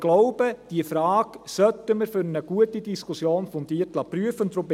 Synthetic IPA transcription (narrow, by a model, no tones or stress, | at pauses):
ɡ̥loʊb̥əd̥iəfɾɑːksœt̪əməɾfʏɾnəɡuətidiskʰusjoːnfɔmd̥̪iːtlɑpryəfənt̪ɾop